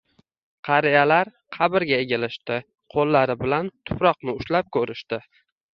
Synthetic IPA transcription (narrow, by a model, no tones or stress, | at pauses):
qʰɑɾɪjalaɾ | qʰɑbɪɾɡʲaeɡʲalɪʃt̪ɪ | qʰolːaɾɪbɪlant̪ʰʊ̥pɾɒqnɪʊʃlap̚kʲʰɵɾɪʃt̪ɪ